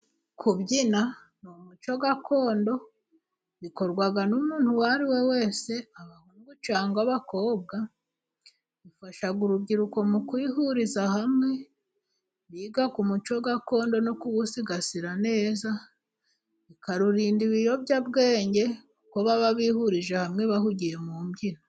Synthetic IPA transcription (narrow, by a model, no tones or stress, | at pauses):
kʰuβɟina | numut͡ʃo̞ɡakʰo̞ːndo̞ | βiko̞ɾɡwaɡanumuːnhuwaɾiwe̞we̞ːse̞aβahuŋɡut͡ʃaːŋɡaβako̞ːb̚ɡa | βifaʃaɡuɾubɟiɾuko̞mukwiːhuɾizahamŋe̞ | βiːɡakumut͡ʃo̞ɡako̞ːndo̞no̞kuβusiɡasiɾane̞ːza | βikaɾuɾiːndiβijo̞βɟabɡe̞ːɲɟe̞ | ko̞βaβaβihuɾiʒehamŋe̞βahuɟije̞muːmɟiɾo